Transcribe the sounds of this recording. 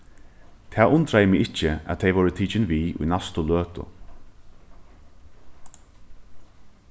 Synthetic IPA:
t̪ʰæːʊnt̪ɾajəmɪːɡɪt͡ʃːəæ̰t̪ʰeɛɪʋɔːɾət̪ʰiːt͡ʃɪnviːʔʊ̰jnast̪ʊløːt̪ʊ̰

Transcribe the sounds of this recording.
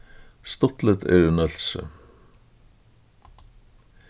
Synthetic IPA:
st̪ɔt̪lɪt̪ɛ̰ɾnœl̥sʏ̰

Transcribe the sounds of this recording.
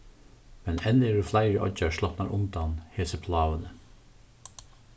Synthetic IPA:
mɛnɛnːɛɾuflaɪɹəʔɔ̰t͡ʃaʂlɔt̪naɾʔʊnt̪anheːsəpʰlɑːʋənə

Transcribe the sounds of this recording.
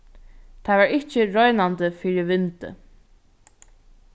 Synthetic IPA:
t̪ʰaːʋaɹɪht͡ʃɪɹɔjnant̪əfiːɾɪʋɪnt̪ɪ̰

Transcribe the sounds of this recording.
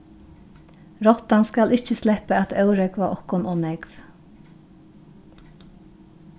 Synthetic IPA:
ɹɔt̪ɑnskɑlɪçəslɛpəɑt̪œʉɾɛkʋɑːʔɔhkʊnʔɔːnɛɡʋ

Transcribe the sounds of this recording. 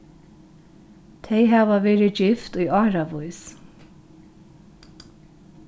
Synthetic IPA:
t̪ʰejɦaːʋaʋɛːɾɪd͡ʒɪft̪ujɑːɹavujs

